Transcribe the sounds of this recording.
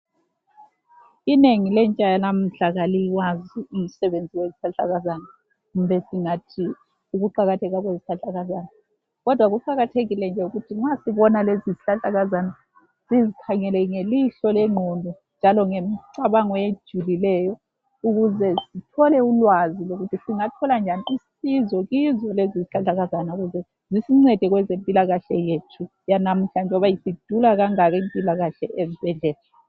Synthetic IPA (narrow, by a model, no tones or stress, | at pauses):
ineŋilɛnt͡ʃʼajanam̩ɬaɣaliwaziim̩sɛβend͡zʱiweziɬaɬʼaɣazana | ɣumbɛsiŋatʰi | uɣuǃaɣatʰɛɣaɣweziɬaɬʼaɣazaːna | ɣɔd̥ʱwaɣuǃaɣatʰeɣilɛnd͡ʒʱɛuɣutʰiŋ͡ǁasiβɔnaleziziɬaɬʼaɣazana | z̥izikʰaŋɛlɛŋeliɬɔleŋ͡ǃʱundʱu | nd͡ʒʱalɔŋemiǀaβaŋɔed̥ʒ̥ʱulilɛːjɔ | uɣuzɛsitʰɔlɛulwaziloɣutʰisiŋatʰɔland͡ʒʱaniisizɔɣizɔleziziɬaɬaɣazanauɣuzɛ | zisiŋ͡ǀɛd̥ʱɛɣwɛzempʼilaɣaɬɛjetʰu | janam̩t͡ɬand͡ʒʱɔβajisid̥ʱulaɣaŋaɣɛmpʼilaɣaɬɛʔezib̥ʱɛɮɛːla